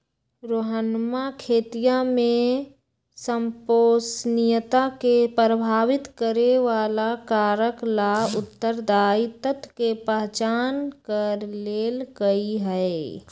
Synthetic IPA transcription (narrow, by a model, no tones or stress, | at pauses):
ɾoɦənmakʰeːt̪ijamẽ | səmpoːsnɪjət̪akepɾəbʱaːʋɪt̪kəɾeʋaːlakaːɾəklaʊt̪ːəɾd̪aːit̪ət̪ʰkepəɦt͡ʃaːnkəɾleːlɡəiɦɛe